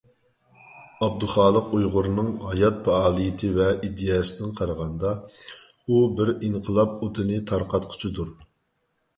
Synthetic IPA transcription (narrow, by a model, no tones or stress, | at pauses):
ɑb̚d̪ʊχɑːlˠəqujʁʊɾnɨŋhɑjɑt̪̚pʰɛɑːlˠijɪt̪ʰɪvɛʔid̪ːɨjɑːsɨd̪ɪŋqʰɑɾəʁɑnd̪ɑ | ubɪɾiŋqʰəlˠɑp̚ot̪ʰɨnɨt̪ʰɑɾqɑt̪̚qʰʊ̥t͡ʃʰid̪uɾ